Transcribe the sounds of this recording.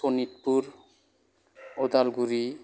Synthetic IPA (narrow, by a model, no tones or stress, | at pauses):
onit̪̚puɾ | od̪alɡuɾi